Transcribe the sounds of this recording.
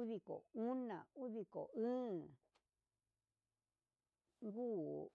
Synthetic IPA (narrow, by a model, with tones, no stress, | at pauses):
u˦ði˧˨ko̰˨u˦nã˨u˦ði˧ko̰˨ʔɨ̃˦˨ | ŋɡuː˦